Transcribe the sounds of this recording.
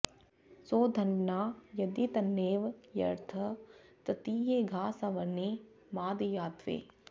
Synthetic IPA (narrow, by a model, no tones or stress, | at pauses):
soːd̪ʱɐnɖnaːjɐd̪it̪ɐnːeːʋjɐ̰ɾt̪ʰɐt̪ɐt̪iːɦeːɡʱaːsɐ̃ʋɐneː | maːd̪ijaːt̪ʋḛː